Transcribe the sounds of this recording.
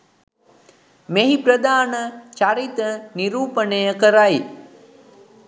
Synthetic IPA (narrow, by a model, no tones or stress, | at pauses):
meɦipɾəd̪aːnət͡ʃaɾit̪əniɾuːpənejəkəɾaj